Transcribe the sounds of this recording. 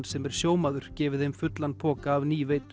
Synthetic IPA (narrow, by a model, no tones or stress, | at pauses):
nsɛmɛɾ̥sjoːwmaðʏɾ̥cɛːvɪðhemfʏt̪lanpʰɔːkaːvniːvejt̪